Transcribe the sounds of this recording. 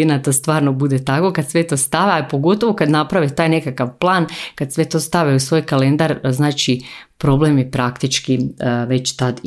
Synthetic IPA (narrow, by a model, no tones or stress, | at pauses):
inat̪ost̪ʋaːɾnobud̪et̪ako̞kad̪sʋe̞t̪o̞ːst̪aʋeapo̞ɡo̞t̪oʋokad̪napɾaʋit̪aːjne̞kakaʋplˠaːnkad̪sʋe̞t̪o̞ːst̪aʋeusʋojkale̞nd̪aɾznaːt͡ʃipɾo̞blemjipɾakt̪it͡ʃkiʋe̞t͡ɕt̪ad̪